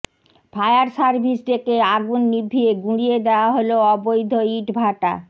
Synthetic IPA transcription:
fʰajaɾsaɾbʱisʈekeaɡunːibʱːieɡũɽijed̪eoaɦoloɔbojd̪ʱoiʈbʱaʈa̰

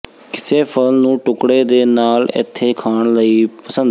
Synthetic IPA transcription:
kɪseːpʰəlnũːʈʊkɽeːd̪eːnaːlɪ̰t̪ʰːeːkʰaːɳləiːpəsə̃nd̪

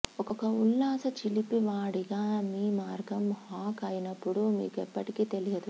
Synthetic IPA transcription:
ɔkɔkɐulːaːsɐt͡ʃilipiʋaːɽiɡaːmiːmaːɾɡɐmhaːkɐːjinɐpːuɽumḭːkɛpːɐʈikiːt̪elijɐd̪u

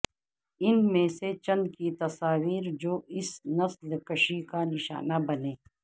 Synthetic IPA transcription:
ɪnmẽset͡ʃɐ̃nd̪̚kit̪ɐsaːwiːɾd͡ʒoːʔɪsnɐslkɐʃikanɪʃa̰ːnabɐneː

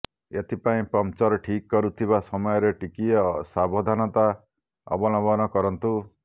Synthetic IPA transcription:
et̪ʰipaĩpɔmt͡ʃɔɾɔʈʰikːɔɾut̪ʰibasɔmɔjɔɾeʈikiɔsabʱɔd̪ʱanɔt̪a | ɔ̰bɔnɔbɔnɔkɔɾɔnt̪u

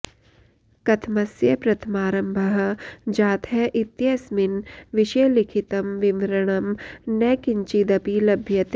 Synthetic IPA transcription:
kɐt̪ʰmɐsjɐpɾɐt̪ʰmaːɾɐmbʱɐɦ̆d͡ʒaːt̪ʰɐʔɪt̪jɐsmɪnʋɪʃɐjlɪkʰit̪ɐmʋɪmɾɐɽ̃ɐmnɛːkɪɲt͡ʃid̪ɐpiːlɐbʱjɐt̪

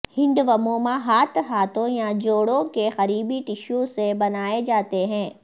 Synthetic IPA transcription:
hɪ̃ɳɖʋɐmõːmãɦaːt̪ɦaːt̪õjad͡ʒoːɽõkexɐɾiːbiʈɪʃõsebɐnaːed͡ʒaːt̪eɦɛ̃ː

